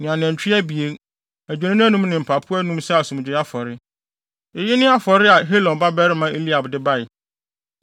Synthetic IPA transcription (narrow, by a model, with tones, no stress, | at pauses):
nɪ̃˨ã˨n˨ɛ̃˨ɲ˨t͡ɕᶣʰi˦æ˦bi˨e˦ | æ˨d͡ʑᶣɛ˨nɪ̃˦ñ˦æ˦nũ˦mnɪ̃˨m̩˨pʰa˨pʰʊ˦ɛ˦nũ˦msɛ˦a˨sũ˨m˨d͡ʑᶣɪ˨˦a˦fɔ˨ɾɪ˦ | ɪ˨jɪ˦nɪ̃˦a˦fɔ˨ɾɪ˦a˨ɦe˦lɔ̃˨nba˦bɛ˦ɾɪ˦mã˨˦ʔe˦li˦a˨bdɪ˦ba˦ɪ˨